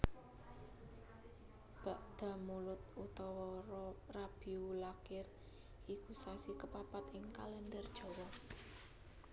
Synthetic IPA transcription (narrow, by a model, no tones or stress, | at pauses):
b̥a̤ʔd̪̥ä̤mulʊt̪̚ut̪ɔwɔɾɔrab̥iulakɪr | ikusasikəpapat̪ɪŋkalɛnd̪ərd̥ʒ̥ɔ̤wɔ